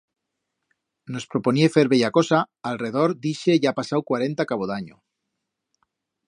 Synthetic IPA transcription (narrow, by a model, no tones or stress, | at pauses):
no̞spɾopo̞nie̞fe̞ɾβeʎako̞saalre̞ðo̞ɾd̪iʃe̞ʝapasawkwaɾe̞nt̪akaβ̞oðaɲo